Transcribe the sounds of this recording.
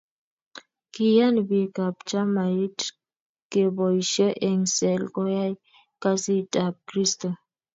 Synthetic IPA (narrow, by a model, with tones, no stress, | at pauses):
ki˨ja˦nbi˨ka˨p̚t͡ʃa˦ma˨i˦t | ke˨bo˨jʃɔ˦ʔe˨ŋse˨lɡo˦ja˦j | ka˦si˦tʼa˨p̚kɾi˦sto˨